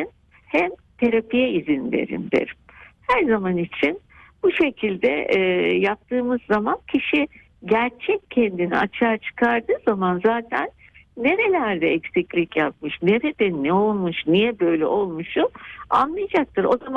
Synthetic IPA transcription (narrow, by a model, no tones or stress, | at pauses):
in | hɛmt̪ʰe̞ɾapijɛizinvḛɾḭmd̪ḛɾmhæɾzamanit͡ʃʰin | b̥uʃe̞cʰilʲd̪ɛ̰ʔjap̚t̪ʰɯːmɯzːamancʰiʃi | ɟæɾt͡ʃʰɛccʰːɛnd̪inḭat͡ʃʰaːt͡ʃʰɯ̥kʰaɾd̪ɯːzamanzaːt̪ʰænː | e̞ɾe̞lʲæɾd̪ɛɛcsiclʲicjap̚mɯʃneɾɛd̪ɛnɛo̞lˠmuʃnijɛbø̞jlʲɛ̰ʔo̞lˠmuʃʊa̰nlˠɯjad͡ʒak̚t̪ʰɯɾo̞zama